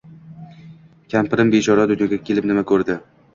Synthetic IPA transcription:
kʲʰampɪɾɪmbet͡ʃʰɒɾad̪ʊnjɒɡʲakʲʰe̞lɪpnɪmakʰɵɾd̪ɪ

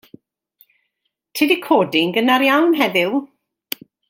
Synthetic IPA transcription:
tʰiːdikʰoːdɪŋɡənaɾjawnɦɛðɪlˠ

